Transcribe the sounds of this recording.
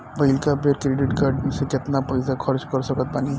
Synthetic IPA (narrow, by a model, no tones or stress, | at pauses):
bəɪlkabeːɾkɾɪɖɪʈkaɾɖnisekɪt̪napɐɪzakʰɐɾt͡ʃkɐɾsɐkət̪̚baːni